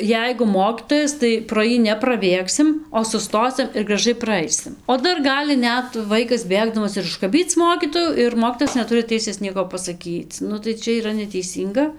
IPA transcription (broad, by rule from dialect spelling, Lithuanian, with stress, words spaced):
ˈjɛɪɡʊ ˈmoːkʲiːtoːjɛs tɐɪ proː ˈjiː nʲɛprɐˈbʲeːksʲɪm oː sʊˈstoːsʲɪm ɪr ɡrɐˈʒɐɪ prɐˈɐɪsʲɪm oː ˈdɐr ˈɡɑːlʲɪ ˈnʲɛt ˈʋɐɪkɐs ˈbʲeːɡdɐmɐs ɪr ʊʃkɐˈbʲiːt͡s ˈmoːkʲiːtoːjuː ɪr ˈmoːkʲiːtoːjɛs nʲɛˈtʊrʲɪ ˈtʲɛɪsʲeːs ˈnʲiɛkoː pɐsɐˈkʲiːt͡s ˈnʊ tɐɪ ˈt͡ʃʲɛ iːˈrɐ nʲɛtʲɛɪˈsʲiːŋɡɐ